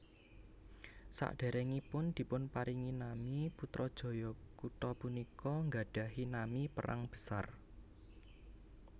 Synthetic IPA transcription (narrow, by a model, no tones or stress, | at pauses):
sa̰ʔɖ̥a̤ɾɛŋipʊnd̪̥i̤pʊnpaɾiŋinamiput̪ɾɔd̥ʒ̥ɔ̤jɔkut̪ɔpunikɔŋɡaɖ̥ä̤ɦinamipəɾʔa̰ŋb̥ə̤̥sar